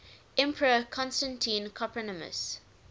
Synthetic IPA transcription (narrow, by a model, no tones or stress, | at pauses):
ɛ̃mpʰəɹəkʰɔ̃nstãntʰĩnkʰɔpɹənəmə̰s